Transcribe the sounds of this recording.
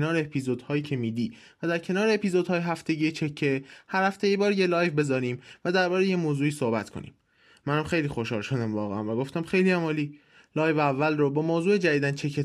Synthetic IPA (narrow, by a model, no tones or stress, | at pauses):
nɒːɾeepʰizod̪̥hɒːjiːcʰe̞miːd̪iː | væd̪æɾcʰe̞nɒːɾeepizod̪hɒːjeɦæft̪e̞ɟiːet͡ʃʰecʰːehæɾhæft̪e̞jibɒːɾjelɒːjvbe̞zɒːɾiːmvæd̪æɾbɒːɾejemoːzuːiːso̞hbæt̪kʰo̰nḭːm | mænæmxe̞jliːxo̞ʃhɒːlʃod̪æmvɒːɣeæ̰nvæɡo̞ft̪æmxe̞jliæmɒːliː | lɒːjvævːælrobɒːmoːzuːed͡ʒæd̪iːd̪ænt͡ʃʰe̞kʰːe